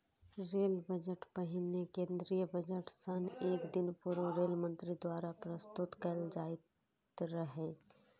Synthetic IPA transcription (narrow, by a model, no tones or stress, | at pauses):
ɾeːlbəd͡ʒəʈpəɦɪnekẽːnd̪ɾijəbəd͡ʒəʈsəneːkd̪ɪnpuɾoɾeːlmə̃nt̪ɾid̪waːɾapɾəst̪ʊt̪kəld͡ʒaːɪt̪ɾəɦe